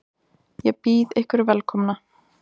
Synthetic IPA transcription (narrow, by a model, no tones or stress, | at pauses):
jɛpiːðɪhkvɪɾvɛlkʰɔmna